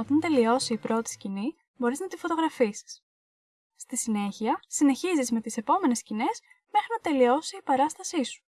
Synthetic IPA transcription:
ot̪ɐnt̪e̞lio̞siːpɾo̞t̪i̥scini | bo̞ɾiznɐt̪ifot̪o̞ɣɾɐfisi̥s | st̪isine̞çiɐsine̞çizizme̞t̪ise̞po̞me̞ne̞scine̞s | me̞xɾinɐt̪e̞lio̞siːpɐɾɐst̪ɐsisu̥

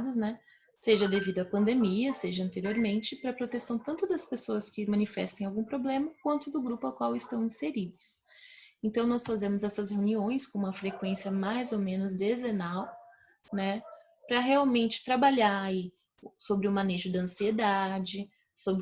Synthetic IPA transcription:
d̪ʊsnɛ | seʒɐd̪evid̪ʊɐpɐ̃nd̪emiɐseʒɐɐ̃nt̪eɾioɾmẽnt͡ʃɪpɾɐpɾot̪esɐ̃w̃t̪ɐ̃nt̪ʊd̪ɐspesoɐskɪmɐ̃nifɛ̰st̪ɐ̃j̃awɡũpɾoblẽmɐkwɐ̃nt̪ʊd̪ʊɡɾupʊawkwawɪst̪ɐ̃w̃ĩseɾid̪ʊs | ẽnt̪ɐ̃w̃nɔsfazẽmʊzɛsɐsheuniõj̃skõũmɐfɾekwẽsiɐmajzowmẽnʊzd̪ezenaw | nɛ | pɾɐɦeawmẽnt͡ʃɪ̥t̪ɾabaʎaai | sobɾɪʊmãneʒʊd̪ɐɐ̃sied̪ad͡ʒɪ | sobɾ

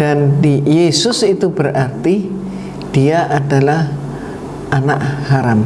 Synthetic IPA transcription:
d̥andijesʊsit̪ubərʔart̪i | d̥iaʔadalah | anaʔhaɾam

